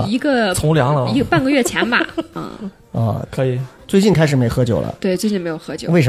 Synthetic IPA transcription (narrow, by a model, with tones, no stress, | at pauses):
i˧˥ɡə˧t͡sʰʊ˧˥ŋljɑ˧˥ŋlə˧i˧˥ɡə˧pa˥˧nɡə˧ɥɛ˥˩t͡ɕʰjɛ˧˥nba̰˨˥˩ | ə̰˧˩kʰɤ˧˥i˨˩t͡swe˥˧ɪt͡ɕi˥˩nkʰa˥ɪʂɻ̩˨˩me˧˥ɪxɤ˧˥t͡ɕjo˨˩ʊlʔə̰˧˦t̪we˥˩ɪt͡swe˥˧t͡ɕi˥˩me˧˥ɪjo˨˩xɤ˧˥t͡ɕjo˨˩˦we˥˩ɪʂ